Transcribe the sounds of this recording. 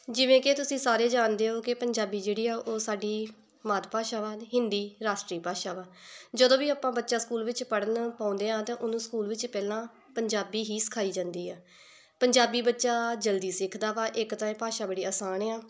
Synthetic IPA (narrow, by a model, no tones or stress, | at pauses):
d͡ʒɪʋẽːket̪ʊsĩːsaːɾeːd͡ʒaːnd̪eːɦoːkɪpəɲd͡ʒaːbiːd͡ʒeːɽiːaːʔoːsaːɖiː | maːt̪paːʃaːʋaːd̪ɦɪnd̪iːɾaːʃʈɾiːpaːʃaːʋaːd͡ʒəd̪õːʋiːaːpãːbətːʃaːskuːlʋɪt͡ʃpəɽənpãːʊ̃nd̪eːãːt̪ɛ̃ːʔʊnũːskuːlʋɪt͡ʃpɛːlãː | pəɲd͡ʒaːbiːɦiːsɪ̥kʰaːiːd͡ʒãːnd̪iːaː | pəɲd͡ʒaːbiːbətːʃaːd͡ʒəld̪iːsɪkʰd̪aːʋaːʔɪkt̪ãːẽːpaːʃaːbəɽiːaːsaːnɛːaː